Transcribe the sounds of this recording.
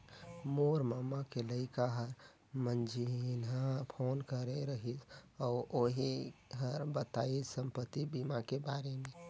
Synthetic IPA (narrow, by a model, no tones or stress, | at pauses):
moɾmamakeləɪkaɦəɾ | mənd͡ʒʱinɦapʰonkəɾeɾəɦitʰɔoɦiɦəɾbət̪aisəmpət̪ːibimakebaɾeme